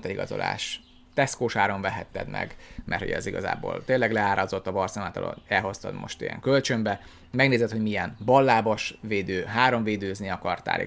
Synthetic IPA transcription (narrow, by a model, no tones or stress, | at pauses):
t̪ɛiɡɒzo̞̰la̰ːʃ | t̪ɛskoːʃaːɾo̞ɱvɛɦɛt̪ːɛ̰d̪mɛ̰ɡmʔɛ̰rt̪ho̰ɟɛ̰ziɡɒza̰ːbo̰ːlt̪eːnlːɛɡlɛaːɾɒzo̞t̪ːɒbɒrsɛmat̪ɒ̰lo̰nɛlɦo̞st̪ɒ̰d̪mo̞̰ʃt̪ijɛ̰ŋkølt͡ʃømbɛ | mɛɡneːzɛt̪ho̞ɟmiɛnbɒlːaːboʃʋeːd̪øːɦaːɾo̞ɱveːd̪øːzniɒkɒrt̪a̰ːlḭ